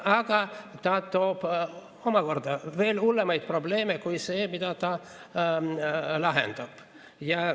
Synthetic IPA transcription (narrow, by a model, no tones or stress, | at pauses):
ɑɡ̥ɑt̪ɑt̪oːb̥ | o̞mɑko̞rd̪ɑve̞ːlulːemɑjd̪̥̚pro̞bleːmekujse̞ːmid̪ɑt̪ɑ | lɑɦḛnd̪̥ɑb̥ | jɑ